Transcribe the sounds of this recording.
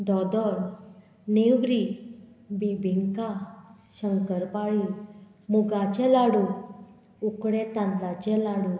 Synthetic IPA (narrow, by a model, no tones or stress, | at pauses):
d̪ɔd̪ɔɾ | newɾi | bibʱiŋka | ɕəŋkəɾpaɭi | muɡat͡ɕɛlaɽu | ukɽɛt̪ãnlat͡ɕɛlaɽũ